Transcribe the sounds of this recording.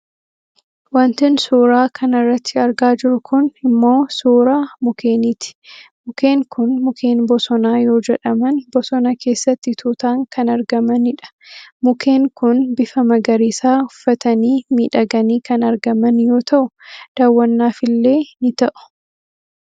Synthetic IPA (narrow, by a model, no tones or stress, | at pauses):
wɐnt̪ɪnsuːɾaːkʰɐnɐrːɐt̪ʰːɪɐɾɡaːd͡ʒɪɾʊkʰʊnɪmːo̞ːsuːɾaːmʊkʰeːniːt̪ɪ̥mʊke̞ːŋkʊnmʊkʰe̞ːnbɔsɔnaːjo̞ːd͡ʒɛᶑɐmɐnbɔsɔnɐkʰe̞ːsːɐt̪ːɪt̪ʰuːt̪aːŋkɐnɐɾɡɐmɐnɪᶑɐ̥mʊkʰe̞ːŋkʊnbɪfɐmɐɡɐɾiːsaːʊfːɐt̪ɐniːmiːᶑɐɡɐniːkɐnɐɾɡɐmɐnjo̞ːt̪ɐʔʊd̪̥aːwːɐnːaːfɪlːe̞ːnɪt̪ɐʔʊ̥